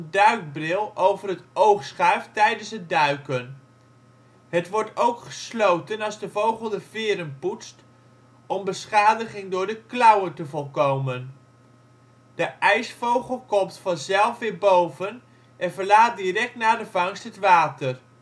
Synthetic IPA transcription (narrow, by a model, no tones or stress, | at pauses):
əndœɥk̚brɪlˠowvərɦətowχsχœɥftɛjdənsədœɥkən | ɦətʋɔɹtowkχə̥slowtənɑlˠzdəvowχəlˠdəvɪːɾənputst | ɔmbəsχaːdəχɪŋdʊːɹdəklɑwətəvɔlˠkowmən | d̥əʔɛjsfowχəlˠkɔmtfɑnzɛlˠfʋɪːɹbowvən | ʔɛnvəɹlaːt̚dirɛk̚tnaːdəvɑŋstɦətʋaːtər